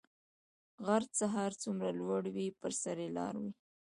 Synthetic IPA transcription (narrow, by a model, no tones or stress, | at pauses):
ɣaɾt͡saɦaɾt͡sumɾalwaɽwipəɾsaɾelɑ̰ɾwi